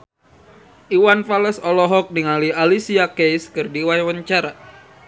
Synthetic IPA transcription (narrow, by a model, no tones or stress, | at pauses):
ʔiwanfaləsɔlɔɦɔk̚niŋalialisiakejskərdiwajwəɲt͡ʃaɾa